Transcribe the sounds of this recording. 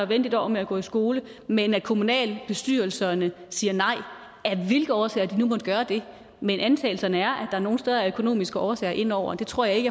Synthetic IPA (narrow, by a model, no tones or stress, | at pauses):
ʋen̰d̥id̥ɒʊ̰ɐmeæɡ̥ɔ̰ːisɡ̥o̝ːləmenæd̥̚kʰo̝munɛ̰ːlb̥e̝sd̥y̰ɐl̩sɐnəsiːɐnɑ̈ɪ̰ | æʋe̝lɡ̥ð̩ɒːsɛ̰ːɐd̥inumɔ̽d̥ɡ̥ɶːɐd̥e̝ | menʔænt͡sʰɛ̰ːl̩sɐnəæɐʔæd̥ɑ̈æɐno̝ːn̩sd̥eð̞ˠɐæɐøkʰo̝no̝̰ːmisɡ̥əʔɒːsɛ̰ːɐʔe̝n̰ɒʊ̰ɐd̥e̝t͡sʰʁo̝ɐ̰jɑ̈e̝ɡə